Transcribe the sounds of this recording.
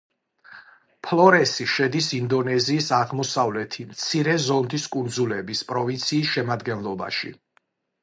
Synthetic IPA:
pʰlˠɔɾɛsiʃɛd̪isind̪ɔnɛziːsaʁmɔsavlɛt̪ʰimt̪sʰiɾɛzɔnd̪iskʼund̪zulɛbispʼɾɔvint̪sʰiːsʃɛmad̪ɡɛnlˠɔba̰ʃḭ

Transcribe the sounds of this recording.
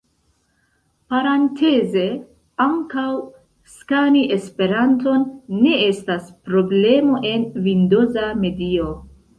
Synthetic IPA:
paɾantʰe̞ze̞ | aŋkaw | skaniʔespe̞ɾanto̞nːe̞e̞staspɾo̞ble̞mo̞ʔe̞nvindo̞zame̞dio

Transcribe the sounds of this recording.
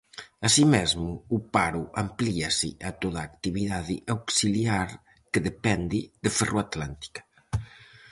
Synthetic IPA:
asimɛzmuːpaɾuʔampliasḭʔat̪oðaːkt̪iβiðaðiʔawksiliaɾ | kəðepɛnd̪iðəfərʔoat̪lant̪i̥kḁ

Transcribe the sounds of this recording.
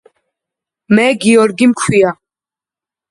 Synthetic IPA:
mɛːɡiɔɾɡimkʰwia

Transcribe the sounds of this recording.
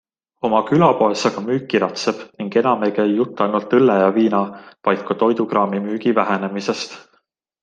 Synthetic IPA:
o̞mɑkylɑpo̞esɑɡ̥ɑmyːkːiɾɑt̪se̞b̥niŋɡe̞nɑme̞kæjjut̪ˑːɑjnult̪ːɤlːejɑviːnɑvɑjt̪̚kːɑt̪o̞jd̪̥uɡrɑːmimyːɡ̥ivæɦe̞ne̞mise̞st̪

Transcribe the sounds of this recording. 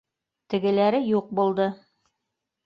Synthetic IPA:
t̪ɘ̆ɡɘ̆læɾɘjuq̚bulˠd̪ɤ

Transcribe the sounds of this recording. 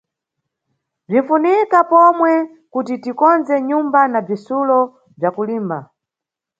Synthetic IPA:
b͡ʐiɱ̩funikapɔmwɛ | kutitikɔnzɛɲumbanab͡ʐisulɔ | b͡ʐjakuliːmba

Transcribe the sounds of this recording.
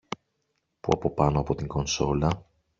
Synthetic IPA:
pṵɐ̰po̞pɐno̞ɐpo̞t̪iŋɡo̞nso̞lɐ

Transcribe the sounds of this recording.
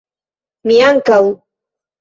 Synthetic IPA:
mɪjaŋkaw

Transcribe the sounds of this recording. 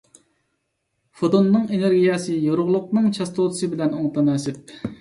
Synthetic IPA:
fod̪onːɨŋeneɾɡʲijɑsɨjoɾʊʁlˠʊq̚nɨŋt͡ʃʰɑst̪ʰot̪ʰsɨbɪlɛnoŋt̪ʰɑnɛːsɪp̚

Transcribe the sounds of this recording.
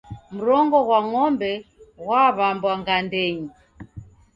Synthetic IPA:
m̩ɾɔŋɡɔɣwaŋɔmbɛɣwaβambwaŋɡandɛɲi

